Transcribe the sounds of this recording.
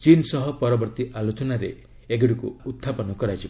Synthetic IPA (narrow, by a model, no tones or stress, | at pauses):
t͡ʃinsɔɦɔpɔɾɔbɔɾt̪iʔalot͡ʃɔnaɾḛ | eɡiɽikṵut̪ʰːapɔnɔkɔɾajt͡ʃʰi